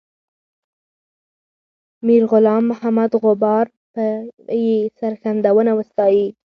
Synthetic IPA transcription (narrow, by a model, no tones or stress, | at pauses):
miɾɣʊlɑmːʊhamad̪ɣʊbɑɾ | pəjesaɾɣand̪awənawəst̪ɑji